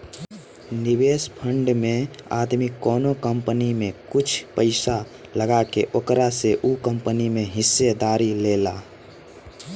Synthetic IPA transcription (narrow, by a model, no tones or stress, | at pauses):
nɪʋeːspʰə̃ɳɖmẽa̰ːd̪mikɔːnokə̃mpənimẽkʊt͡ʃʰpəɪsa | ləɡakeʔokɾaseʔukə̃mpənimẽɦɪsːed̪aːɾileːlaː